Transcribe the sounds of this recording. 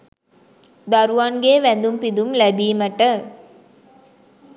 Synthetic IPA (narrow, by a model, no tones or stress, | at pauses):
d̪ɐɾuʋɐnɡeːʋænd̪umpid̪umlæbiːmɐʈə